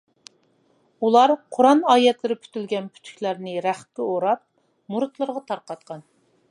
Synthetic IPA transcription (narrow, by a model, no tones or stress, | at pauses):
ulˠɑɾqʰoɾɑnɑːjɛt̪lɪɾɪpʰy̥t̪ylɡʲɛnpʰy̥t̪ʰy̥kʲlæɾnɪɾæχkʲɛoɾɑp̚ | muɾt̪lˠəɾʁɑt̪ʰɑɾqɑt̪̚qɑn